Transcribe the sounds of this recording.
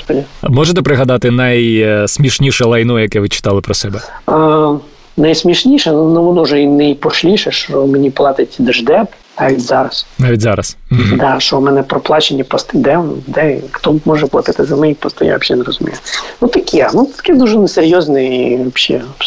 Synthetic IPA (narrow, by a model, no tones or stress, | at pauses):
spɔdʲimɔʒet̪ɛpɾɪɦɐd̪ɑt̪ɪnɐjsmʲiʃnʲiʃɛlˠɐjnɔjɐkɛʋɪt͡ʃɪ̥t̪ɑlˠɪpɾɔsɛbɛ | nɐjsmʲiʃnʲiʃɛnnuʋɔnɔʒɛinɐjpɔʃlʲiʃɛʃɔmenʲiplˠɑt̪ɪtʲd̪ɛʒd̪ɛp | naʋʲitʲzɑɾɐsnɑʋʲitʲzɑɾɐs̩d̪ɑʃɔmɛnɛpɾɔplˠɑt͡ʃenʲːɐpɔst̪ɪd̪ɛnd̪ɛxt̪ɔmɔʒɛplˠɐt̪ɪt̪ɪzɐmɛipɔst̪ɪ̰ja̰ɐʃʲɛneɾɔzʊmʲḭjʊnut̪ɐkʲʰinut̪ɐ̥kɪd̪uʒɛneseɾʲjɔznɪiʋɔbʃḭ